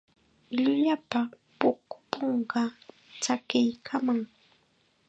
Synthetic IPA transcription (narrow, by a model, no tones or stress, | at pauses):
ʎʊʎapa | pʊkʊ̥poɴɢɑ | t͡sakɪjkʰamaŋ